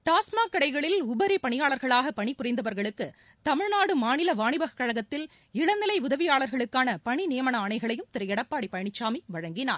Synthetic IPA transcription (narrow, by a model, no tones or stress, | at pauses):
t̪aːsmaːkːɐɽɐɪɣɐɭɪlʊbɐɾipɐɳɪjaːɭɐɾɣɐɭaːɣɐpɐɳipʊrɐɪnd̪ɐʋɐɾɣɐɭɯkːɯ | t̪ɐmɪɻnaːɽɯmaːnɪlɐʋaːɳɪbɐɣɐkːɐɻɐɣɐt̪ːɪl | ɪɽɐnːɪlɐɪʊðɐʋɪjaːɭɐɾɣɐɭɯkːaːnɐpɐɳinɪjɐmɐɳɐːɳɐɪɣɐɭɐjɯmt̪ɪɾɐjɛɽɐpːaːɽipːɐjɐɳɪt͡ʃːaːmiʋɐɻɐŋɡɪna̰ːɾ